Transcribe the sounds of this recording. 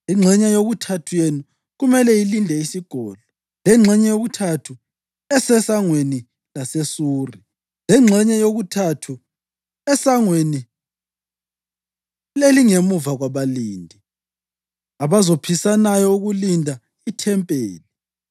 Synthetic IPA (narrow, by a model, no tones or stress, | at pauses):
iŋ͡ǁʱɛɲɛjoɣutʰatʰujenu | ɣumɛlɛilindʱɛisiɡ̥ʱɔːlɔ | lɛŋ͡ǁʱɛɲɛjoɣutʰatʰu | ɛsɛsaŋweni | lasesuːri | lɛŋ͡ǁʱɛɲɛjoɣutʰatʰu | ɛsaŋweni | eliŋemuvaɣwaβaliːndʱi | aβazopʰisanajɔuɣulindʱa | itʰɛmpʼeːli